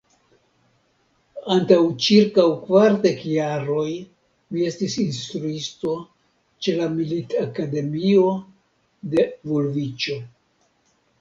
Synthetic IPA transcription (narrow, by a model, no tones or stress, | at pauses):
antawt͡ʃiɾkawkvaɾde̞kjaɾo̞j | mie̞stisinstɾuisto̞ | t͡ʃe̞lamilitakade̞mio̞ | de̞vulvit͡ʃo̞